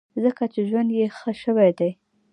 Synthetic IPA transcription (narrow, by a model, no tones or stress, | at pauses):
zəkat͡ʃeʒwand̪jexəʃəwajd̪aj